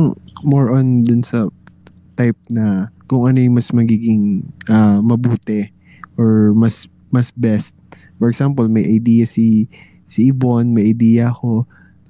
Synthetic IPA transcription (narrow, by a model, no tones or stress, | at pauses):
ŋmoɹʔɔnd̪ʊnsɐ | t̪ajp̚nɐkʊŋʔɐnojʊmɐsmɐɡiːɡɪŋʔamɐbuːt̪ɛ | ʔoɹmɐs | mɐsbɛst̪̚ | fɔɹɛɡsampolmɐjʔɐjd̪iːjɐsi | sɪʔɪbonmɐjʔɐjd̪iːjɐɐxo̞